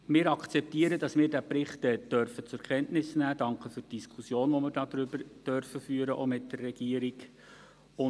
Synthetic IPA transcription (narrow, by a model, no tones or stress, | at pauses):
mɪːɾɑkχt͡sɛp̚tiːəɾədɑsmɪːɾdæpɾɪχtɛd̥œɾfət͡sʊɾkʰɛntnɪsnæːd̥ɑŋkχəfytd̥iskʰχusjoːnʋɔmɪːɾdɑːdɾʏbəɾd̥œɾfəfyːəɾəʔo̰mɪtdərːɛɡ̥iəɾiɡ | ʊ